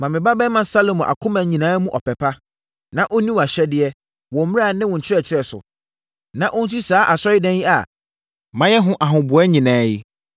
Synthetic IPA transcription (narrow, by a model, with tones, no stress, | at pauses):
mã˨mɪ̃˨ba˦bɛ˦mã˨n˦sa˦lo˨mɔ̃˨ʔa̰˨kʰʊ̃˦mã˨ɲĩ˨nãː˦mũ˦ʔɔ˨pɛ˨pʰa˦ | nã˦ʔo˦nĩ˦wa˨ɕɛ˦dɪ˦ɛ˦ | wɔ̃˨m̩˦m̃˦a˦˨nɪ̃˦wɔ̃˨ɲ̩˨t͡ɕʰɪ˦ɾɛ˦˨t͡ɕʰɪ˦ɾɛ˨sʊ̰˨ | nã˨ʔʊ̃˦n̩˦ti˦saː˨˦ʔa˨sɔ˦ɪ˦dã˦nji˦a̰˨ | mã˦jɛ˦ɦʊ̃˦ʔa˨ɦʊ̃˨bʊ˨˦ɛ˦ɲĩ˨nãː˨˦jɪ˦